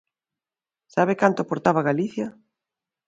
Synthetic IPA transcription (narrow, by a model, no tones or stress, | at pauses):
saβekant̪oʊapoɾt̪aβaɣaliθja